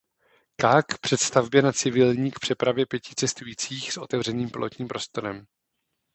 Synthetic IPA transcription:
kaːkpr̝̥ɛt̪st̪avbjɛnat͡sɪvɪlɲiːkpr̝̥ɛpɾavjɛpjɛcɪ̥t͡sɛst̪ujiːt͡siːxsʔo̞t̪ɛvr̝ɛniːmplʔo̰t̪ɲiːmpɾo̞st̪o̞ɾɛm

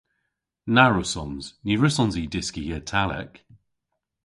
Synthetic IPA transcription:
naɹʊsɔnz̥niɹəsɔnzidɪskiɛtʰalɛ̰k

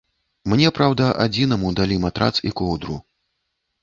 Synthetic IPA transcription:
mnʲɛpɾawd̪ɐʔad͡zʲinɐmud̪alʲimat̪ɾa̰t̪sikɔwd̪ɾṵ

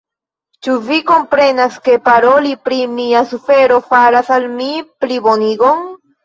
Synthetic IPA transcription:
t͡ʃuviko̞mpɾe̞naske̞paɾo̞lipɾimiasufe̞ɾo̞faɾasalmiplibo̞niɡo̞n

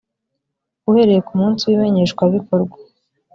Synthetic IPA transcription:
uhe̞ɾe̞jekumuːnsiwime̞ɲe̞ʃkwaβikoɾɡwḁ

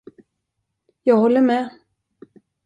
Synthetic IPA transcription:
jɑːɡhɔlːəɾmɛː

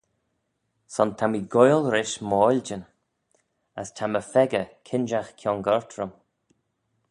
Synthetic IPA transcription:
sɔnt̪ʰamiɡɔjlˠɾɪʃmɔːlʲd͡ʒən | əstʰaməfɛɡəkʰɪnʒaxkʰjɔnɡɔɹt̪ʰɾəm

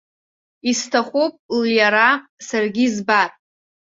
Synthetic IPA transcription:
istʰaχʷupʼljaɾasarɡʲizbatʼ

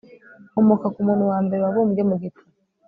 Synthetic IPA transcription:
omokakumuːnhuwaːmbe̞ɾewaβoːmuɟemuɡeta

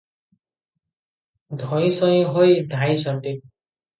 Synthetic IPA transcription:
d̪ʱʌj̃sʌj̃ɦojd̪ʱajt͡sʰʌnt̪e

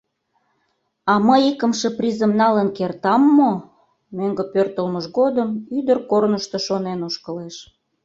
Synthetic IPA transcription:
ɑməjikəmʃəprʲizəmnɑlənkert̪ɑmːo | meŋɡəpørt̪əlməʃɣod̪əmyd̪ərkornəʃt̪oʃonenuʃkəleʃ

